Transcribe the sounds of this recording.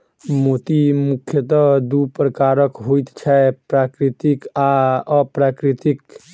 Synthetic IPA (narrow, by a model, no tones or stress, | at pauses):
mot̪imukʰjət̪əd̪upɾəkaɾəkɦojt̪t͡ʃʰɛpɾakɾit̪ikaəpɾakɾit̪ik